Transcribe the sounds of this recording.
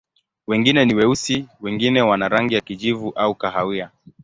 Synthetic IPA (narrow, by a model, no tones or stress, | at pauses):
wɛŋɡinɛniwɛusiwɛŋɡinɛwanaɾaŋɡijakid͡ʒivuʔaukaɦawia